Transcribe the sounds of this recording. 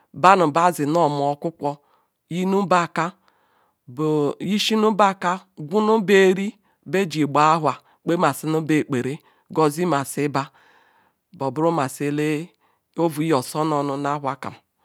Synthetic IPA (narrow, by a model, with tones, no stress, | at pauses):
ba˦nʊ˨ba˦zɪ˨nɔ˦˨m˨ɔ˨˦kʷʊ˦kʷɔ˦ | ji˦nu˦ba˦˨ka˦ | bo˨ji˦ʃi˦nu˦ba˦ka˦ɡʷu˦nu˦be˦ɾi˦ | be˦d͡ʒi˨ɡ͡ba˨a˦ɦwa˨ | k͡pe˦ma˨si˦nu˦be˨k͡pe˨ɾe˦ | ɡɔ˦zi˦ma˨sɪ˦ba˦ | bɔ˨bʊ˦ɾu˦ma˨se˨˦le˦ | o˦vu˨i˦ɔ˨sɔ˦nɔ˨nʊ˦na˦ɦʷa˨ka̰˨m˨